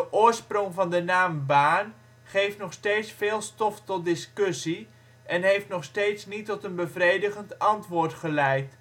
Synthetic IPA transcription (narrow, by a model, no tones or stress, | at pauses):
dəʔʊːɹsprɔŋvɑndənaːmbaːn | χejftnɔχsteːtsfeːlˠstɔftɔt̚dɪskøsi | ʔɛnɦejftnɔχsteːtsnitɔtənbəvrejdəχəntɑntʋʊːrtχəlɛjt